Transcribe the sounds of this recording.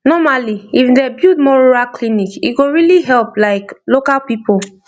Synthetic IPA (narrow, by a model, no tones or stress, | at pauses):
nɔmaliifdɛbjud̚mɔɹoɹaklinikiɡoɹiliɦɛlplaɪklokalpipol